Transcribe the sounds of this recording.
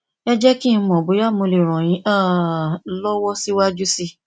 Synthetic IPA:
ɛ˦d͡ʒɛ˦kĩ˦˧mɔ̃˨bo˨˦ja˦˨mõ˧le˨ɾ̃ɔ̃˨j̃ĩ˨˦ʔa˦˨lɔ˦wɔ˦si˦wa˦d͡ʒu˦si˦

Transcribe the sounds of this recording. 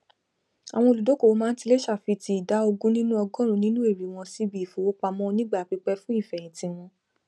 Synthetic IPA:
a̰˨w̃ɔ̃˧o˧˨lu˨do˨˦ko˦˨o˧˦mãː˦n̩˦ti˧le˦ʃa˦˨fi˧ti˧i˨da˨˦o˧ɡũ˦nĩ˦nũ˦ɔ˧ɡɔ̃˦ɾ̃ũ˧nĩ˦nũ˦e˦˨ɾi˨w̃ɔ̃˧si˦bi˨fo˨wo˦k͡pa˧mɔ̃˦˧nĩ˦ɡ͡ba˦˨k͡pi˨˧˦k͡pɛ˧fũ˦i˦˨fɛ˨j̃ĩ˨˦tĩ˧w̃ɔ̃˧

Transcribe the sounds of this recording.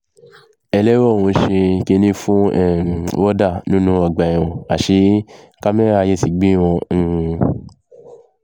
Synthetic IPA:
ɛ˧lɛ˦wɔ˦˨ũ˧˦ʃĩ˧ke˧˦nĩ˦fũ˦ɛ˦˨wɔ˦da˦˨nũ˦nũ˦ɔ˨ɡ͡ba˨i˨w̃ɔ̃˨a˨ʃe˧˦ | ka˦mɛ̃˦a˧je˧si˨ɡ͡bi˦˨w̃ɔ̃˧˦˧

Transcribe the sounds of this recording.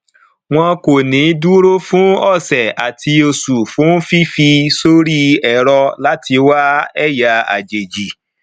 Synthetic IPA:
w̃ɔ̃˧ko˨nĩ˨˦du˦ɾo˦fũ˦ɔ˦˨sɛ˨a˨tʰi˧o˧su˨fũ˨˦fi˦fi˧so˦ɾi˦ɛ˦˨ɾɔ˧la˦ti˧wa˦ɛ˦˨ja˨a̰˨d͡ʒe˨d͡ʒi˨

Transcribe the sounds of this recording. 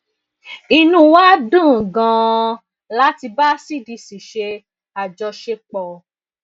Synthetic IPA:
i˧nũ˧wa˦dũ˦˨ɡã˧ | la˦ti˧ba˦si˦˨di˧si˨ʃe˧ | a˨d͡ʒɔ˧ʃe˧k͡pɔ˧

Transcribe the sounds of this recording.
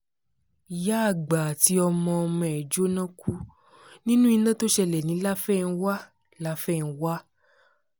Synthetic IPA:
ja˦˨ɡ͡ba˨ti˧˦ɔ˧mɔ̃˧ɔ˧mɔ̃˧˨ɛ˨d͡ʒo˦nã˦ku˦ | nĩ˦nũ˦i˧nã˦to˦ʃɛ˧lɛ˨nĩ˨˦la˦fɛ˦˨˧n̩˧˦wa˦ | la˦fɛ˦˨n̩˨˧wa˦

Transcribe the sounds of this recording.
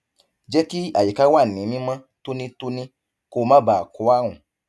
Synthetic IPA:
d͡ʒɛ˦ki˦a̰˨je˨ka˦wa˦˨nĩ˨˦mĩ˦mã˦ | to˦nĩ˦to˦nĩ˦ | ko˦mã˦ba˨kɔ˨˦a˦˨wũ˨

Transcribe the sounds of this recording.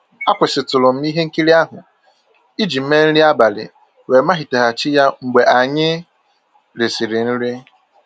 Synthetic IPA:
a˦kʷʊ˨sɪ˨tʊ˨lʊ˨m̩˦mi˦ɦe˦ŋ̩˦ki˦ɾi˦a˦ɦʊ˨ | i˦d͡ʒi˨m̩˦me˦n̩˦ɾi˦a˦ba˨lɪ̰˨ | we˨ma˦ɦi˨te˨ɦa˨t͡ʃɪ˦ja˦ŋ͡m̩˨ɡ͡be˨ʔa˨ɲɪ˦ | ɾɪ˨sɪ˨ɾɪ˨n̩˦ɾi˦

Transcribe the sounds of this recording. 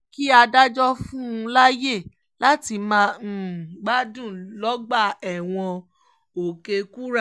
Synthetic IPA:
ki˦a˧da˦d͡ʒɔ˦fũ˦ũ˧la˦je˦˨ | la˦ti˧mã˧˦˨ɡ͡ba˦dũ˦˨lɔ˨˦ɡ͡ba˦˨ɛ˨w̃ɔ̃˧ | o˨ke˧ku˦ɾa˦˨

